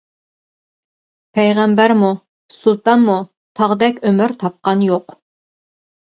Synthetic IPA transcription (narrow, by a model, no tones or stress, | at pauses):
pʰɛjʁɛmbæɾmu | sulˠt̪ɑnmu | t̪ʰɑʁd̪ɛkʲømɪɾt̪ʰɑp̚qɑnjoq